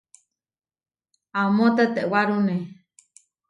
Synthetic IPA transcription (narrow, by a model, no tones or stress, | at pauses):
amõt̪at̪eʔwaɾune